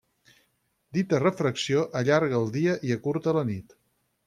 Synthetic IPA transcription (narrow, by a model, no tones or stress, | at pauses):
d̪it̪ərəfɾəksioʔəʎaɾɣəːlˠd̪iəʔiəkuɾt̪ələnit̪